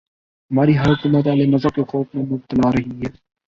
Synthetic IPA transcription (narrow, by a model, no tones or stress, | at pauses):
ɦɐmaːɾiɦaːɦʊkuːmət̪ʋaːlenɐzəɾkexoːk̚mẽmʊb̚t̪əlaːɾɐɦiɦɛː